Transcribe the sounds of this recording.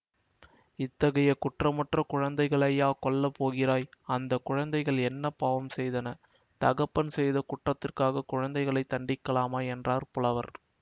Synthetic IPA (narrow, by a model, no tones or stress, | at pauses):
ɪt̪ːɐɣɐjɐkʊʈrɐmɐʈrɐkʊɻɐnd̪ɐɪɣɐɭɐjaːkɔɭːɐpoːɣɪɾaːjɐnd̪ɐkːʊɻɐnd̪ɐɪɣɐɭɛnːɐpaːʋɐmsɛjðɐnɐ | t̪ɐɣɐpːɐnsɛjðɐkʊʈrɐt̪ːɪrkaːɣɐkʊɻɐnd̪ɐɪɣɐɭɐɪt̪ːɐɳɖɪkːɐlaːmaːɛndraːɾpʊlɐʋɐɾ